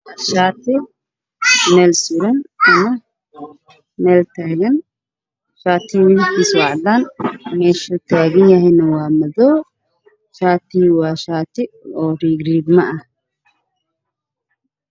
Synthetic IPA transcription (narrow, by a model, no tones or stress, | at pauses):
ʃaːt̪ʰɪ | mɛːlsuɾɐnɐmɐ | nɛːlt̪ʰaːɣɐn | ʃaːt̪ʰɪwɪnkʰisɔːʕd̪aːnmɛːʃɔːt̪ʰaːɣɐnjɐɦɛjnɐwɑːmɐðɔː | ʃaːt̪ʰɪwɑːʃaːt̪ʰɪɔːriːɡriːɡmɐɐh